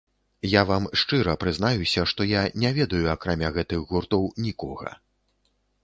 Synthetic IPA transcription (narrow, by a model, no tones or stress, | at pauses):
javamʂt͡ʂɨɾɐpɾɨznajusʲɐʂt̪ɔjanʲavʲɛd̪ɐjuakɾamʲaɣɛt̪ɨɣɣurt̪ɔwnʲikɔɣɐ̰